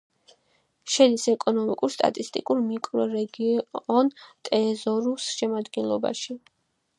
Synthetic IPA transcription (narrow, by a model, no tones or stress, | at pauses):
ʃɛd̪isɛkʼɔnɔmikʼuɾst̪ʼa̰t̪ʼist̪ʼikʼuɾmikʼɾɛɾɛɡiɔnt̪ʼɛzɔɾusʃɛmad̪ɡɛnlˠɔba̰ʃi